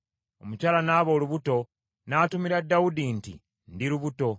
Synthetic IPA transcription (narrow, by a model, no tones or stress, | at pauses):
o̞mucaːlanaːβoːluβuto̞ | naːtumiɾadːawudintḭ | ndiɾuβuto̞